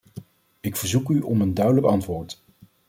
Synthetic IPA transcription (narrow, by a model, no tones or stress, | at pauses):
ɪkfəɹzukyʔɔməndœɥdələkɑntʋoːɹt